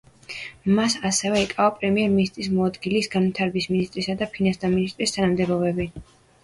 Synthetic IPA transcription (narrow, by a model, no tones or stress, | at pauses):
masasɛvɛikʼavapʼɾɛmiɛɾminist̪ʼɾismɔad̪ɡilisɡanvit̪ʰaɾɛbisminist̪ʼɾisad̪apʰinãnst̪ʰaminist̪ʼɾist̪ʰanamd̪ɛbɔbɛbi